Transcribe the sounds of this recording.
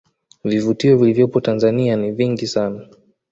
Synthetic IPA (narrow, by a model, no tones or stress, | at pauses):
vivutiɔvilivjɔpɔtanzanianiviŋɡisana